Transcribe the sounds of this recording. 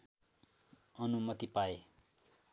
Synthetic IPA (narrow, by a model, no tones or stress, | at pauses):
ʌnumʌt̪ipae